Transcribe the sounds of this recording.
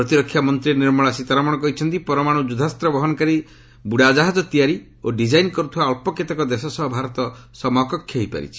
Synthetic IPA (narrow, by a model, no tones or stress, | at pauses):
pɾɔt̪iɾɔkʰːjamɔnt̪ɾiniɾmɔɭasit̪aɾamɔɽ̃ɔkɔɦit͡ʃʰɔnt̪ipɔɾɔmaɽ̃ud͡ʒud̪ʱast̪ɾɔbɔɦɔnɔkaɾi | buɽad͡ʒaɦad͡ʒɔt̪ijaɾi | oɖid͡ʒajnkɔɾut̪ʰiwaɔɭpɔket̪ɔkɔd̪esɔsɔɦɔbʱaɾɔt̪ɔsɔmɔkɔkʰːjɔɦipa̰ɾḭt͡ʃʰi̥